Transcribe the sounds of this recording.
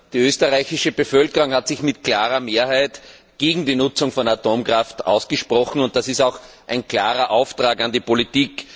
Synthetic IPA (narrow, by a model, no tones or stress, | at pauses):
d̥iːøːstɐʁaɪçɪʃəb̥əfœlkəʁʊŋhatsɪçmɪt̚kl̥aːʁɐmeːɐhæɪt | ɡ̥eːɡŋ̩diːnʊt͡sʊŋfɔnatoːmkʁaftʔa̰ʊsɡ̥əʃpʁɔxn̩ʊnt̚d̥asɪstaʊx | ʔæɪnkʰlaːʁɐʔaʊftʁaːkandiːpolitiːk